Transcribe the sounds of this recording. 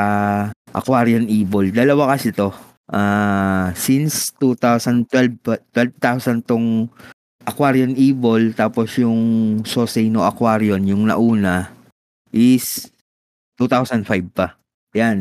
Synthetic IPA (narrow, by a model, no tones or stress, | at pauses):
aʔɐ̰kwaːɾjonʔiːbold̪ɐlɐwakɐsɪt̪o̞ | ʔaːsinst̪ut̪awsɐnd̪̚t̪wɛlbt̪wɛlv̚t̪awsɐnt̪oŋ | ʔɐkwaɾjonʔiːbolt̪aːposjʊŋsoːsɛjnoʔɐkwaːɾionjʊŋnɐ̰ʔuːnɐ | ʔɪs | t̪ut̪awsɐnd̪fajb̚pɐ | jan